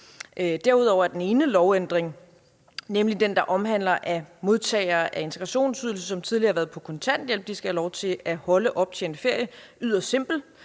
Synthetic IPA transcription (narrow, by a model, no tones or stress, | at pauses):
ʔd̥æɐuð̞̰ˠɒ̰ʊɐæɐd̥ene̝ːnəlɒʊend̥ʁeŋ | nemlid̥end̥ɑ̈ʔɒ̽mɦæn̰lɐʔæmo̝ð̞ˠt͡sʰɛ̰ːɪɐːʔæe̝nt͡sʰeɡ̥ʁɑ̈ɕo̝̰ːnsyðˠl̩səsɒ̽mt͡sʰið̞ˠliɐːhɑʋæɐð̩ˠpʰɒ̽kʰɒ̽nt͡sʰæn̰d̥jel̰b̥̚d̥isɡ̥æhælɒʊt͡sʰe̝æhɒ̽ləʔɒ̽b̥̚t͡sʰe̝e̝nfe̝ɐ̰jəyð̞̰ˠɐse̝m̰b̥l̩